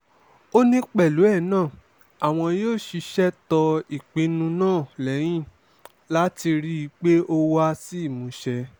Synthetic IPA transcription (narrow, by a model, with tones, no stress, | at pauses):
o˦nĩ˦k͡pɛ˦˨lu˨˦ɛ˦˨nãː˦˨ | a˨w̃ɔ̃˧joː˦˨ʃi˧ʃɛ˦tɔ˧i˨k͡pĩ˨˦nũ˧nãː˦˨lɛ˨˦j̃ĩ˦ | la˦ti˧ɾi˦i˧k͡pe˦ʔo˧wa˦si˦i˦˨mũ˨˦ʃɛ˧